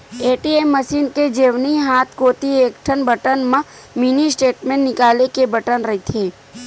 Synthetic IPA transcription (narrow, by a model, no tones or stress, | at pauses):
eːʈiemːɐsiːnked͡ʒeːʋniɦaːt̪ʰkoːt̪ieːkʈʰənbʱɐʈənmã | minisʈeːʈmẽnːɪkaːlekebɐʈənɾɐɦit̪ʰeː